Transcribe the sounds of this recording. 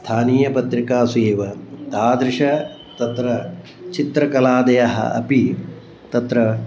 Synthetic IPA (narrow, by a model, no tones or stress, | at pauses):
st̪ʰaːniːjɐpɐt̪ɾikaːsujeːʋɐt̪aːd̪ɾɪʂɐ | t̪ɐt̪ɾɐ | t͡ʃit̪ɾɐkɐlaːd̪ɐjɐɦɐ̰ɐ̰pi | t̪ɐt̪ɾɐ